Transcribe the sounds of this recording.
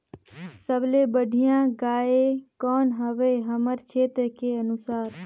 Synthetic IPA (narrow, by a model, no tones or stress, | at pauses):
səblebəɽʱijãɡaekɔːnɦəʋəɦəməɾt͡ʃʰet̪ɾəkeənusaːɾ